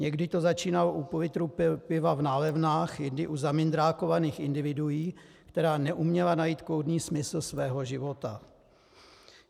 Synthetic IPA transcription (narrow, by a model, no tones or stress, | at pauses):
ɲɛɡdɪt̪o̞zat͡ʃiːnaloʔupovɪt̪ɾuppɪvavnaːlɛvnaːxjɪndɪʔuzamɪnd̪ɾaːko̞vaniːxɪndɪvɪdujiː | kt̪ɛɾaːnɛʔumɲɛlanajiːt̪kowdniːsmɪsl̩svɛːɦo̞ʒɪvo̞t̪a